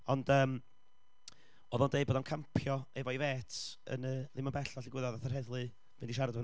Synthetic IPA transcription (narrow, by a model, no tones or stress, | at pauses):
ɔndəːm | oːðɔndejboːdankʰampʰjɔɛvɔiveːtʰə̰nəðɪmabɛɬɔɬɪɡwɪðɔðaθarhɛðlˠɨ | vɪndiʃaɾadvə